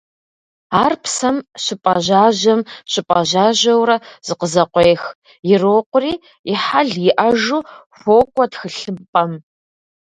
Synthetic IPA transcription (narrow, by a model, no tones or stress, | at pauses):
aːrpʰsɐmɕɪpʼɐʑaːʑɐmɕɪpʼɐʒaːʑɐwrɐz̥ɨqəzɐqʷeːx | jɪroːqʷʊriː | ɪħaɮjɪʔɐʒuχʷoːkʷʼɔtxɨɬɨpʼɐm